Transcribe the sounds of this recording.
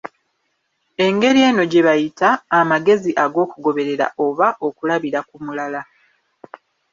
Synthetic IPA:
e̞ŋɡe̞ɾje̞ːno̞ɟe̞βajitaːmaɡe̞ziʔaɡo̞ːkuɡo̞βe̞ɾe̞ɾa̰ʔo̞βaʔo̞kulaβiɾakumulala

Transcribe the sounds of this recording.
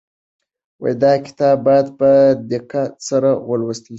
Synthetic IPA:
wa̰jd̪ɑkɪ̥t̪ɑbːɑjad̪pəd̪ɪqasaɾawəlwəst̪i

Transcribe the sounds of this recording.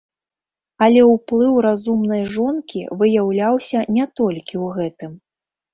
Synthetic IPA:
ɐlʲɛwplˠɨwɾazumnɐjʐɔnkʲḭvɨjawlʲawsʲɐnʲɛt̪ɔlʲkʲiwɣɛt̪ɨm

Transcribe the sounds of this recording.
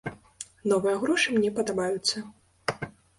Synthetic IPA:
nɔvɨjɐɣɾɔʂɨmnʲɛpɐd̪abajut̪sːɐ

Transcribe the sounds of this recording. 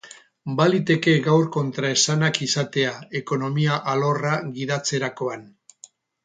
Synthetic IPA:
balit̪e̞ke̞ɣawɾko̞nt̪ɾae̞sanakisat̪e̞ae̞ko̞no̞miaʔalo̞raɣiðat͡se̞ɾako̞an

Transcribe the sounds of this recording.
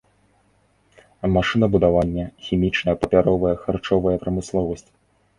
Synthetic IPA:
maʂɨnɐbud̪avanʲːɛxʲimʲit͡ʂnɐjɐpɐpʲaɾɔvɐjɐxart͡ʂɔvɐjɐpɾɐmɨslˠɔvɐsʲt͡sʲ

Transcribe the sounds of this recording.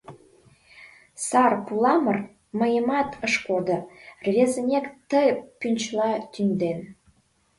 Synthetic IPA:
sɑrpulɑmər | məjəmɑt̪ʰəʃkod̪ə̆rβʲezənʲekt̪əjpynʲt͡ɕlɑt̪ynd̪en

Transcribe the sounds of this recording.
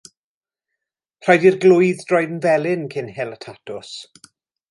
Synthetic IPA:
r̥ajdirɡlʊjðdrɔjðnvɛlˠɪnkʰɪnɦɪlˠətʰatʰʊs

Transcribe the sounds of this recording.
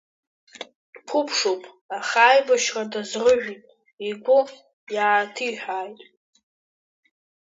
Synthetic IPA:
dpʰʊpʰʂopʼ | aχaːjbaʃradazrɨʒᶣitʼ | iɡʷʊ | jaːtʰiħᶣʷaːjtʼ

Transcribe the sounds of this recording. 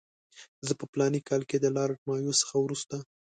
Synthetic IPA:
zəpəplɑnikɑlked̪əlɑɾʈmɑjosə̥xawɾust̪a

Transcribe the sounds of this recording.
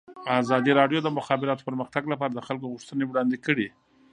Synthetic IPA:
azɑd̪iɾɑɖjod̪əmʊxɑbɪɾɑt̪o̥pəɾməxt̪aɡlapɑɾad̪əxalkoɣʊʂt̪ənewɽɑnd̪ekəɽi

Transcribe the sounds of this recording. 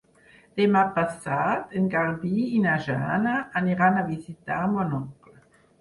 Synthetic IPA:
d̪̥emapasat̪eŋɡaɾdiinaʒa̰ːnaːniʁanavizit̪amɔnɔklə

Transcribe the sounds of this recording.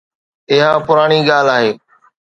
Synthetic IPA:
ɪɦãːpʊɾaːɽ̃iːɡaːl̤aːɦeː

